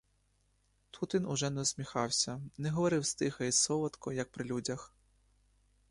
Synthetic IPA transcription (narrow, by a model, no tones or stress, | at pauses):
t̪ʰut̪ʋʲinʊʒɛnɛɔsʲmʲixɑwsʲɐnɛɦɔʋɔɾɪwst̪ɪxɐisɔʋɐt̪kɔjɐk̚pɾɪlʲudʲɐx